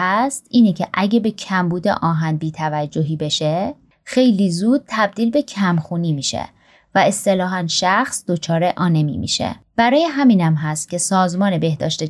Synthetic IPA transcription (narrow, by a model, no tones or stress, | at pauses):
æst̪ʔiːnecʰeʔæɟebe̞cʰæmbuːd̪ḛʔɒːɦænd̪̚biːt̪ʰævæd͡ʒːoɦiːbe̞ʃe | xe̞jliːzuːd̪̚t̪ʰæb̚d̪iːlbe̞cʰæmxuːniːmiːʃḛ | væe̞st̪e̞lɒːɦænʃæxsd̪̥o̞t͡ʃʰɒːɾe̞ʔɒːne̞mḭmḭːʃe̞̰b̥æɾɒːje̞ɦæmiːnæmɦæst̪̚cʲʰe̞sɒːzmɒːne̞be̞hd̪ɒ̰ːʃt̪e